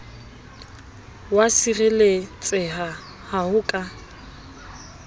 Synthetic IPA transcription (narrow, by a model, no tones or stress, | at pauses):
wasirɛlet͡sʼɪɦa | hahʊkʼa